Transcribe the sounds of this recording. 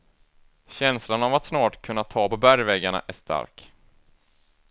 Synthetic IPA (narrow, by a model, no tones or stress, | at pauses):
ɕɛnslanavat̪snɑːʈkʰɵnːat̪ʰɑːpɔbæɾjvɛɡaɳa̰ʔæʂt̪ʰa̰ɾk